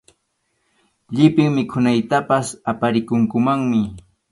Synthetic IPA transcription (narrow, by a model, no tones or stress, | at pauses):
ʎɪpɪŋmɪkʰʊnajt̪apasapaɾɪkʊŋkʊmaŋmɪ